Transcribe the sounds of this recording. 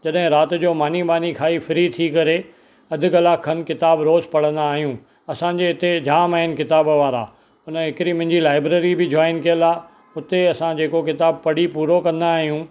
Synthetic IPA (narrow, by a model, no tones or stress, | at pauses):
d͡ʑɐɗɦɪ̃ɾaːt̪̆d͡ʑoːmaːniɓaːnikʰaːifɪɾit̪ʰikɐɾe | ɐd̪ʱɪ̆kɐlaːkʰənkɪt̪aːbɾoːzpɐɽ̤ə̃nd̪aːɦijũː | ɐsãɲd͡ʑeɪt̪ed͡ʑaːmaːɦɪnkɪt̪aːbʋaːɾa̰ː | ʊnəɦɪkɪɾimɐ̃ɪ̃ɲd͡ʑilaːɪbɾeːɾibɪd͡ʑaːɪnkijəlaː | ʊt̪eɐsãd͡ʑeːkok̬ɪt̪aːbpɐɽ̤ipuːɾokɐ̃nd̪aːɦijũ